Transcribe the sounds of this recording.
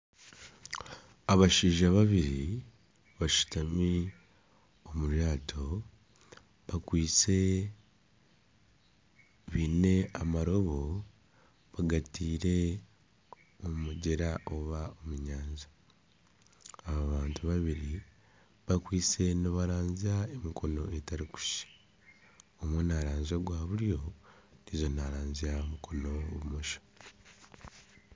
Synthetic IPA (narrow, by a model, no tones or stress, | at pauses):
aβaʃiːʒaβaβiɾi | βaʃu̥tami | omuɾjaːtʰo̞ | βakwiːt͡se̞ | βiːne̞amaɾo̞βo̞ | βaɡatiːɾe̞ | omuɟeɾaʔo̞βaomuɲaːɲza | βaβaːntuβaβiɾi | βakwiːse̞noβaɾaːɲziaemikʰo̞no̞etaɾiku̥ʃi̥ | omwonaɾaːɲzoɡwaːβuljo̞ | nizo̞naɾaːɲziaomukʰo̞no̞βumoʃo̥